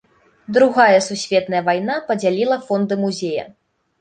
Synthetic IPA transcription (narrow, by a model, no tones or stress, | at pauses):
d̪ɾuɣajɐsusʲvʲɛt̪nɐjɐvajnapɐd͡zʲalʲilˠɐfɔnd̪ɨmuzʲejɐ̰